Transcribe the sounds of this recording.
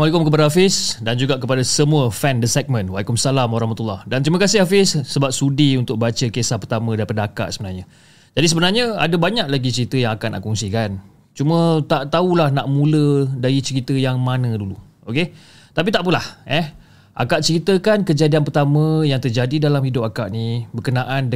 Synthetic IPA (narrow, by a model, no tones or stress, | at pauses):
walekʊmkəp̬adaɦafɪsdand͡ʒuɡaʔkəpadasəmũəfɛndəsɛk̚mə̃nwalikʊmsalamwaɾɔhmat̪ulːɑhdant̪ɾiməkasɪhafɪsːəbap̚sudiunt̪ʊk̚bat͡ʃəkesahpərt̪amə̃daɾipadaaka̰ʔsəbənarɲə̃ | d͡ʒadis̬əbənarɲə̃a̰dabaɲak̚laɡit͡ʃəɾit̪əjaŋakanʔa̰ʔkɔŋsikan | t͡ʃumə̃t̪aʔt̪aulahnaʔmũlədaɾit͡ʃəɾit̪əjaŋmanə̃dulu | oke | t̪ap̬it̪aʔpunlahɛ | ʔa̰kaʔt͡ʃəɾit̪əkankəd͡ʒadianpərt̪amə̃jaŋt̪ərd͡ʒadidalamhidʊpakaʔnibərkənaʔan